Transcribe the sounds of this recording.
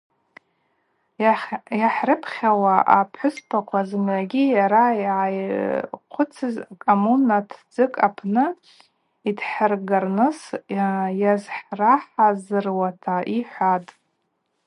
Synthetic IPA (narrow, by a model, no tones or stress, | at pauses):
jaħrɨpʰχʲawaʔapʰħʷʊspʰaqʷʰazɨmʕaɡʲijaɾajʕajqʷʰʊt͡sʰɨzkʼomunatʰd͡zɨkʼapʰnɨ | idħərɡarnɨs | jazħraħazɨrwatʰaiħʷatʼ